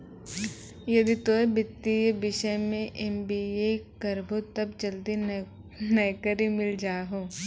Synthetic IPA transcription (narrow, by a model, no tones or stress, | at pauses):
jɐd̪it̪oebɪt̪ːiebɪʃəjmẽʔembiːekɐɾbobt̪ɐbd͡ʒɐld̪i | nɐjkəɾimɪld͡ʒaːɦoː